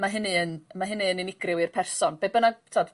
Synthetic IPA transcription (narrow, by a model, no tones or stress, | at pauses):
maɦɪnɨənmaɦɪnɨənɪnɪɡ̥rɪwɨrpʰɛrsɔnb̥ebənaɡtʰːɔd